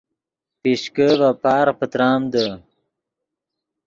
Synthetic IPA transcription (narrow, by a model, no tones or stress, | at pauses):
piɕkəvapaːɾpət̪ɾaːmd̪ə